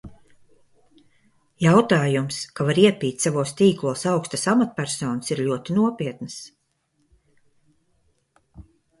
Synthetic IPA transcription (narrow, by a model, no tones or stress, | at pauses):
jawt̪aːjumskavaɾiɛpʲiːt̪ʲsavuːst̪iːklˠuːsawkst̪asamat̪̚pʲæɾsɔːnəsiɾlʲuɔt̪inuɔpʲiɛt̪nɨs